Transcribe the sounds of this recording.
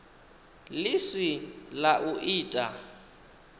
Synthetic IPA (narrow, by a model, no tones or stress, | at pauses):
lɪsilaʔuʔiːtʼa